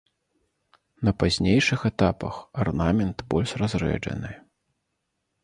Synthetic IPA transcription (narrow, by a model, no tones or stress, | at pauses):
nɐpazʲnʲejʂɨxɛt̪apɐ̰xarnamʲɛnt̪bɔlʲʂrazrɛ̰d͡ʐɐ̰nɨ